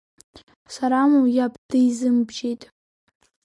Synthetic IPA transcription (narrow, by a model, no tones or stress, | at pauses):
saɾamujapʼd̥ɨjzɨmbd͡ʒejtʼ